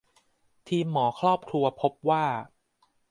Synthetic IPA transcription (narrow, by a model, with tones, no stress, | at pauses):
t̪ʰiː˧mːɔː˩˦kʰɾɔː˥˩p̚kʰɾu˧ɐpʰo˦˥p̚waː˥˩